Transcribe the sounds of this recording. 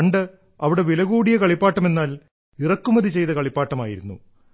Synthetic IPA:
ɳɖɨ | ɐʋiɽe̞ʋilɐɣuːɽijɐkɐɭipːaːʈːɐme̞nːaːl | irɐkːumɐðit͡ɕe̞jt̪ɐkɐɭipːaːʈːɐmaːjḭɾunːṵ

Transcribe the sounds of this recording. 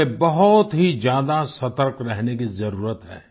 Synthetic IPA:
ebɐɦʊt̪ɦid͡ʒjaːd̪asɐt̪əɾkɾɛɦnekizɐɾuːɾət̪ɦɛ̰ː

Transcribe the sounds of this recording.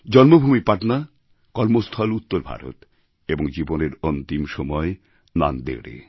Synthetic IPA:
d͡ʑɔnmobʱumipaʈna | kɔɾmost̪ʰɔlut̪ːoɾbʱa̰ɾo̰t̪ | eboŋd͡ʑiboneɾont̪imʃɔmɔe | na̰nd̪ḛɽḛ

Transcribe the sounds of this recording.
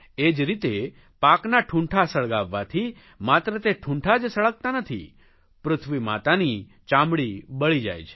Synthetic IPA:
ed͡ʒɾit̪e | paknaʈʰũɳʈʰasəɭɡaʋːat̪ʰi | mat̪ɾət̪eʈʰũɳʈʰad͡ʒsəɭək̚t̪anət̪ʰḭ | pɾʊt̪ʰʋimat̪ani | t͡ʃãmbɽibəɭid͡ʒa̰jt͡ʃʰe̥

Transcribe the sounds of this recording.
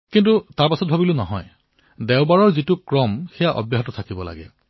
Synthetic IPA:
kintutaɹpasɔt̚bʱabilʊnɔɦɔj | dɛwbaɹɔɹzitukɹɔmxɛjaʔɔ̰bjaɦɔtɔtʰakibɔla̰ɡɛ̰

